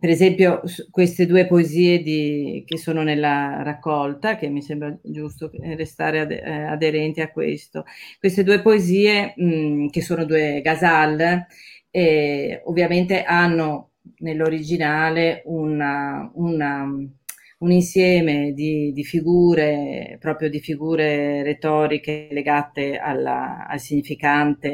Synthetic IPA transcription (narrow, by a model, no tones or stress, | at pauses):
peɾezɛmpjokwest̪ed̪uːepoeziːed̪ikesːoːnonelːaɾakːɔlt̪akemːisɛmbɾad͡ʒust̪orest̪aːɾḛad̪eɾɛnt̪iakːwḛst̪okwest̪ed̪uːepoeziːe | kesːoːnod̪uːeɡazalː | ɛovːjament̪eʔanːo | nelːoɾid͡ʒinaːleunauna | uninsjɛːmed̪id̪ifiɡuːɾepɾɔːpɾjod̪ifiɡuːɾeɾet̪ɔːɾikeleɡat̪ea̰l̰a̰lsiɲifikant̪e